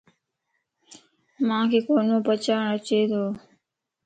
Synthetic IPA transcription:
mãːkʰeːkoːnõːpət͡ʃaːɳət͡ʃeːd̪oː

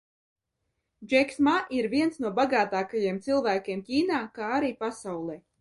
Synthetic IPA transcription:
d͡ʒɛksmaʔiɾviɛnsnuɔbaɡaːt̪aːkajiɛmt̪sɨlˠvæːkʲiɛmcʲiːnaːkaːaɾiːpasawlˠɛ

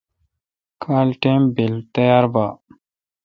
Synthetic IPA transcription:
kʰaːlʈeːmbilt̪ɐjaːɾba

